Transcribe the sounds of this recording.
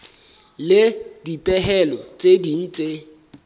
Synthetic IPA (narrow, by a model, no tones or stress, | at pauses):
lɪdipʼɛɦɛlɔt͡sʼedin̩t͡sʼe